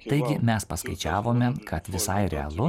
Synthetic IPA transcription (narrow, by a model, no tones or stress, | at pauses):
t̪ɐɪɡʲɪmʲɛspɐskɐɪt͡ʃʲæːʋoːmʲɛkʰɐt̪ʋʲɪsɐɪɾʲɛ̰ɐ̰lˠʊ